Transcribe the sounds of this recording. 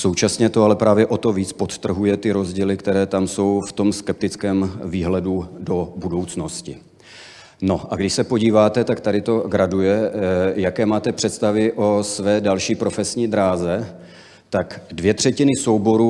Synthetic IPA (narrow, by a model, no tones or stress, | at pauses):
so̞wt͡ʃasɲɛt̪o̞alɛpɾaːvjɛʔo̞t̪o̞viːt͡spo̞t̪t̪r̩ɦujɛt̪ɪɾo̞zɟiːlɪkt̪ɛɾɛːt̪amso̞wft̪o̞mskɛp̚t̪ɪt͡skɛːmviːɦlɛdudo̞budo̞wt͡sno̞scɪ | no̞ʔaɡdɪʃsɛpo̞ɟiːvaːt̪ɛt̪akt̪adɪt̪o̞ɡɾadujɛjakɛːmaːt̪ɛpr̝̥ɛt̪st̪avɪʔo̞svɛːdalʃiːpɾo̞fɛsɲiːd̪ɾaːzɛ | t̪akdvjɛt̪r̝̥ɛcɪnɪso̞wbo̞ɾuː